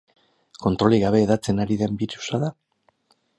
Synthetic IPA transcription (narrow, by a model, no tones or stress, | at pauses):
ko̞nt̪ɾo̞liɣaβe̞ːðat͡se̞naɾiðe̞mbiɾu̥saða